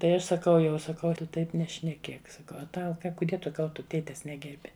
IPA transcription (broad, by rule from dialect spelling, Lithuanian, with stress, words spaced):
tɐɪ ˈɐʃ sɐˈkɐʊ jɛʊ sɐˈkɐʊ ˈtʊ ˈtɐɪp nʲɛʃʲnʲɛˈkʲeːk sɐˈkɐʊ ɐ ˈtɐʊ ˈkɐ kʊˈdʲiɛ ˈkɐlˠ ˈtʊ ˈtʲeːtʲɛs ˈnʲæːɡʲɛrʲbʲɪ